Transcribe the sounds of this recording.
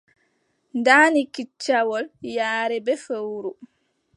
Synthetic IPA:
ndaːnikit͡ʃːawɔljaːɾɛbɛfəwɾu

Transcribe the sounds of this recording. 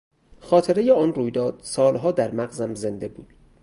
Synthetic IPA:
xɒːt̪ʰeɾejeɒːnruːjd̪ɒːd̪̥̚sɒːlɦɒːd̪æɾmæɣzæmze̞nd̪e̞buːd̪̥

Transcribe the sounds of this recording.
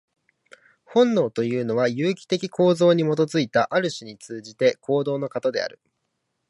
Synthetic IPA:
hõ̞nːo̞ːt̪o̞jɯ̟ːno̞βajɯ̟ːkʲi̥t̪e̞kʲikʰo̞ːzo̞ːɲ̟imo̞t̪o̞zɨit̪aʔaɾɯ̟ɕiɲ̟it͡sɨːʑit̪e̞kʰo̞ːd̪o̞ːno̞kat̪od̪e̞̰a̰ɾɯ̟

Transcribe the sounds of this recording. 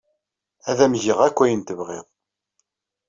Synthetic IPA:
æðæmʝiʁækʷːæjənt̪əvʁḭʁ

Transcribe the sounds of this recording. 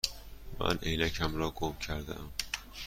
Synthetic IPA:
mæ̰nʔejnækʰæmɾɒːɡomcʰæɾd̪æ̰æm

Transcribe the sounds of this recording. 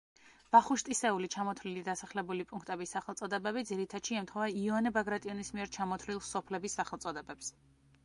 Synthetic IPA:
b̥aχuʃt̪ʼisɛulit͡ʃʰamɔt̪ʰvlilid̪asaχlɛbulipʼuŋkʰt̪ʼɛbisːaχɛlˠt̪sʼɔd̪ɛbɛbid̪ziɾit̪ʰad̪̥ʃiɛmt̪ʰχɔvaiɔnɛbaɡɾat̪ʼiɔnismiɛɾt͡ʃʰamɔt̪ʰvlilˠsɔpʰlɛbisːaχɛlˠt̪sʼɔd̪ɛbɛps

